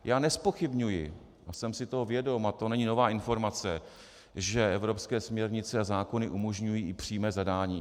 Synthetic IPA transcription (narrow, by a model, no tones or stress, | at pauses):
jaːnɛspo̞xɪbɲujɪ̰ | ʔasɛmsɪt̪o̞ɦovjɛdo̞mat̪o̞nɛɲɪno̞vaːʔɪnfo̞ɾmat͡sɛ | ʒɛɛvɾo̞pskɛːsmɲɛɾɲɪt͡sɛazaːko̞nɪʔumo̞ʒɲujiːɪpr̝̥iːmɛːzadaːɲiː